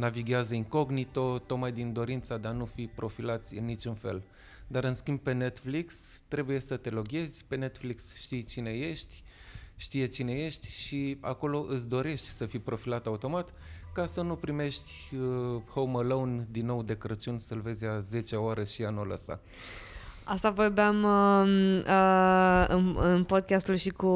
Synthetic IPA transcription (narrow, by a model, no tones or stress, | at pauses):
naviɡʲeazəiŋko̞ɡnit̪ot̪ok̪̚majd̪ind̪o̞ɾint̪sad̪e̞anufipɾo̞filat̪sʲɨnːit͡ʃunfe̞̰l | d̪aɾɨnskʲimb̚pe̞ne̞t̪flikst̪ɾe̞buje̞sət̪e̞lo̞ɡʲe̞zʲpe̞ne̞t̪fliksʃt̪ijt͡ʃine̞je̞ʃt̪ʲ | ʃt̪ije̞t͡ʃine̞je̞ʃt̪ʲʃia̰ko̞lo̞ʔɨt̪s̬ʲd̪o̞ɾe̞ʃt̪ʲsəfijpɾo̞filat̪aut̪o̞mat̪kasənupɾime̞ʃt̪ʲəhowməlownd̪inːo̞wd̪e̞kɾət͡ʃunʲsəlve̞zʲaze̞t͡ʃeoaɾeʃianula̰sa̰ | ast̪avorbeam | əɨnɨnpo̞d̪̚kʲast̪ulʃiku